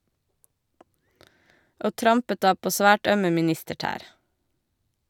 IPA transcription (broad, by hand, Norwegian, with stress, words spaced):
ˈʔoː ˈtɾɑmpət ˈdɑː ˈpoː ˈsʋæːʈ ˈœmə mɪˈnɪstəˌʈæːɾ